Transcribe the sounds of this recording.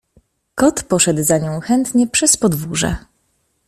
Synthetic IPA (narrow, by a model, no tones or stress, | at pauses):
kɔt̪pɔʂɛd̪zaɲɔ̃w̃xɛnt̪ɲɛpʂɛspɔd̪vuʐɛ̰